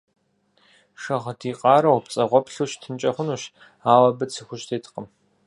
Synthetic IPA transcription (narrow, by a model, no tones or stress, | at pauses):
ʂɐʁɐtʰiːqʼɑːɾɐwpt͡sʼɐʁʷɔpɬuːɕtʰɨnt͡ʃʼɐχʷʊnuːɕ | aːwɐbɨt͡sʰɨxʷʊʃtʰeːtʰqəm